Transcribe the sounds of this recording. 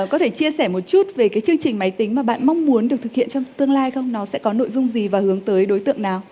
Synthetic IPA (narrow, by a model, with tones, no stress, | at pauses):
kɔ˨˦t̪ʰe˧˩t͡ɕi˧əsɛː˧˩mo˨˩t̚t͡ɕu˦˥t̚ve˨˩kaː˨˦jt͡ɕɨ˧əŋt͡ɕï˨˩ŋ̟ma˨˦jt̪ï˨˦ŋ̟maː˨˩ɓa̰ː˧˨nma˧wŋ͡mmu˨˦ənɗɨ˨˩t̪ʰɨ˨˩k̚hḭ˧˨ənt͡ɕɔ˧ŋ͡mt̪ɨ˧əŋlaː˧jxə˧wŋ͡mnɔ˨˦sɛ̰˧˥kɔ˨˦no̰˧˨jzʊ˧ŋ͡mzi˨˩vaː˨˩hɨ˨˦əŋt̪əː˨˦jɗo˨˦jt̪ɨ̰˧˨əŋnaː˨˩w